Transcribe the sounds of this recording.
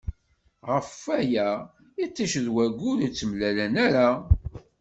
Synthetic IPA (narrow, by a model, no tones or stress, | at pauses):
ʁəfːæjæ | it͡sːæʃðwæɡʊɾit͡sːəmlælænæɾa